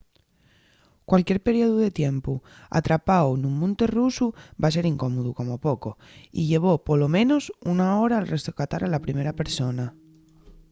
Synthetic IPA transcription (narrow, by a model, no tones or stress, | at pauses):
kwalkjeɾpeɾjioðuðet̪jempu | a̰t̪ɾapawnũmmːũnt̪erusubas̬eɾiŋkomoðukomopoko | ḭʎe̞β̞opolomẽnosunaoɾaːlrʔest̪okat̪aɾalapɾimeɾapeɾsona